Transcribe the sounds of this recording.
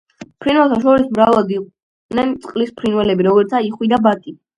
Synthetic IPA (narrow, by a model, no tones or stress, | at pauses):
pʰɾinwɛlˠt̪ʰaʃɔɾismɾavad̪iq̪ʼ | nɛnt̪sʼqʼlispʰɾinwɛlɛbiɾɔɡɔɾt̪ʰaiχwid̪abat̪ʼi